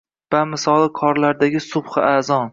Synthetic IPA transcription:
vamɪsɒlˠɪkʰɒɾlaɾd̪aɡʲɪsʊbχɨʔazɒn

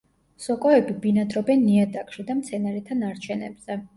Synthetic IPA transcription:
sɔkʼɔɛbibinad̪ɾɔbɛnːiad̪akʼʃid̪amt̪sʰɛnaɾɛt̪ʰanaɾt͡ʃʰɛnɛ̰bz̥ɛ

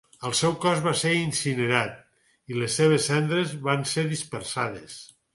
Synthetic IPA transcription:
əlˠsɛwkɔzβaseɾinsineɾat̪̚ | ilesːeβ̞esːɛnd̪ɾezβanseɾðispeɾsaðes

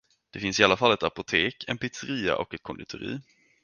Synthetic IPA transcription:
d̪̥ɛfɪnsɪalːafalːɛt̪apʊt̪ʰeːkʰɛnpɪt̪sɛɾiːa̰ʔɔkɛt̪̚kʰɔnd̪ɪt̪ʰʊɾḭː

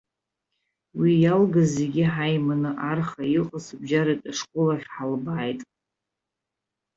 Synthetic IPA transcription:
wijalɡazeɡʲɪħajmanɨʔarχaiqʼəsbd͡ʒaɾatʼaʂkʷʼʊlaχʲħalbaːjtʼ

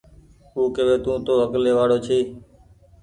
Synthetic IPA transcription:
uːkeʋeːt̪ũːt̪oːɦəkleːʋaːɽoːt͡ʃʰeː

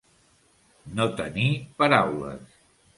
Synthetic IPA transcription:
not̪ənipəɾawlə̰s

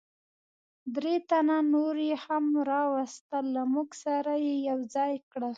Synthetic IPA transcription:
d̪ɾet̪ananoɾehamɾɑwast̪əlːamuɡsaɾajejawd͡zɑjkɽəl

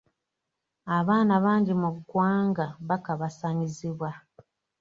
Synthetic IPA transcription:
aβaːnaβaːɲɟimuɡwaːŋɡaβakaβasaɲiziβwa

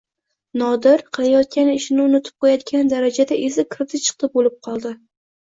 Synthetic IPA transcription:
nɒd̪ɪɾqʰɨlˠajɒt̪̚kʲanɪʃɪnɪʊnɪt̪ʰɪ̥p̚qʰojat̪ɡʲand̪aɾad͡ʒad̪aʔezɪkʰɪɾt̪ʰɪt͡ʃʰɨ̥q̚t̪ɪbolɪp̚qʰɒlˠd̪ɪ

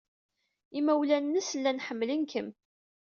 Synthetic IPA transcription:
imæwlænːəslːænħəmːlənkʰəm

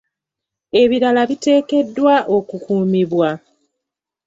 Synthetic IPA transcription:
e̞βiɾalaβite̞ːke̞dːwaʔo̞kukuːmiβwa

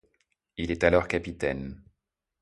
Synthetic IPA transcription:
ilɛt̪alɔʁkʲapit̪ɛn

